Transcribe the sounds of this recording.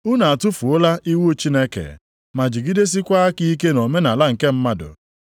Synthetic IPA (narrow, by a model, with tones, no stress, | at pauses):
ʊ˦na˨a˨tʊ˦fu˨ʊ˦la˦ʔi˦wu˦o˦t͡ʃi˦ne˦kḛ˨ | ma˨d͡ʒi˨ɡi˦de˦s̬i˦kʷa˦a˦ki˦i˦k̬e˦no˨me˦na˨la˦ŋ̩˨ke˦m̩˦ma˦dʊ̰˨